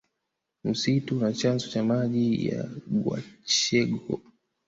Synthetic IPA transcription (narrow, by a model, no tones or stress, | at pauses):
m̩situnat͡ʃanzɔt͡ʃamaʄija̰ɡwa̰t͡ʃɛɡɔ